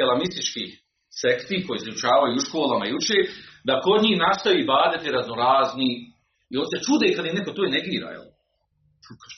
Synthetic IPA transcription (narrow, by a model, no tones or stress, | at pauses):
elamist̪it͡ʃkiː | sekt̪iːhko̞jizut͡ʃaːʋajuuʃkoːlˠamajut͡ʃeːd̪ako̞d̪ɲiːhnast̪ajiːbaːd̪at̪iɾaznoɾaːzni | io̞ːnse̞t͡ʃud̪ekad̪ineko̞t̪oːneɡiːɾa̰jḛl